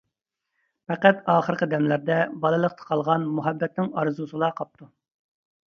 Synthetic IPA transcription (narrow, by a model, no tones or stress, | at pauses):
pɛqæt̪ɑːχəɾqʰəd̪ɛmlæɾd̪ɛbɑlˠɨlˠəqt̪ʰə̥qʰɑlˠʁɑnmuɦɛbːɛt̪̚nɪŋɑɾzusɨlˠɑqʰɑp̚t̪ʰu